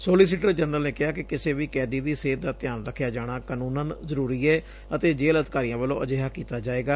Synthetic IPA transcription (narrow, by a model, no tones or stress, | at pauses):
soːliːs̬iːʈəɾd͡ʒənəlneːkɪɦaːkɪkɪseːʋiːkɛːd̪iːd̪iːseːd̪aːt̪ɪjaːnɾəkʰjaːd͡ʒaːɽ̃aːkaːnũːnãːnzəɾuːɾiːɛː | ət̪eːd͡ʒeːləd̪kaːɾiːãːʋəlõːʔəd͡ʒeːɦaːkiːt̪aːd͡ʒaːeːɡaː